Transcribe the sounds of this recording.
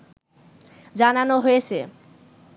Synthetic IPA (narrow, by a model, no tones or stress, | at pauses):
d͡ʑananoɦojet͡ɕʰe